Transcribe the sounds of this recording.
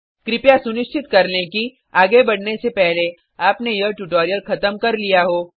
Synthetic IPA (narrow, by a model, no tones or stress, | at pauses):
kɾɪpjasʊnɪʃt͡ʃɪt̪kɐɾneki | aːɡebɐɽnesepɛɦle | aːpnejəʈuʈoːɾijəlxɐt̪əmkɐɾlijaɦoː